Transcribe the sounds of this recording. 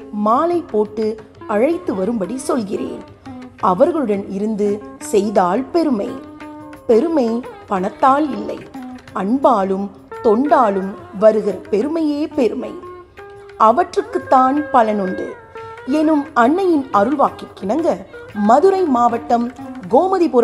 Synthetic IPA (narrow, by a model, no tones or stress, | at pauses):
maːlɐɪpːoːʈːɯɐɻɐɪt̪ːɯʋɐɾɯmbɐɽisɔlɣɪrḛːn | ʔɐʋɐɾɣɐɭɯɽɐnɪɾɯnd̪ɯsɛjðaːlpɛɾɯmɐɪpɛɾɯmɐɪpɐɳɐt̪ːaːlɪlːɐɪʔɐɳbaːlɯm | t̪ɔɳɖaːlɯmʋɐɾɯɣɐɾpɛɾɯmɐjeːpɛɾɯmɐ̰ɪ | ʔɐʋɐʈrɯkːɯt̪ːaːnpɐlɐnɯɳɖɯ̰ | ɛnɯmɐɳːɐjɪnɐɾɯɭʋaːkɪkːɪnɐŋɡɐmɐðɯɾɐɪmaːʋɐʈːɐmɡoːmɐðipʊɾ